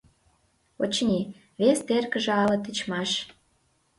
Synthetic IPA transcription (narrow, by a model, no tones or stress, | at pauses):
ot͡ɕnʲi | βest̪erkə̆ʒĕɑlɤ̆t̪ə̆t͡ɕmɑʃ